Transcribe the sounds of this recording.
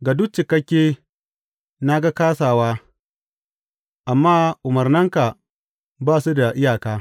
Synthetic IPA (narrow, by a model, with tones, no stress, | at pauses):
ɡa˨dʊ˦k̚t͡ʃɪ˨kɐ˦kʲːeː˦ | na˦ɡa˦kaː˦saː˨waː˦ | ʔa˨mːaː˦ʔʊ˨mɐ˨rnɐ˦ŋka˨ | baː˦˨su˦da˨ʔɪ˦jaː˨kaː˦